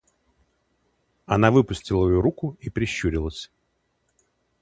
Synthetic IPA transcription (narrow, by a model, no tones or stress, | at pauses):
ɐnavɨpʊsʲtʲɪlˠəjuɾukʊipɾʲɪɕːuɾʲɪlˠəsʲ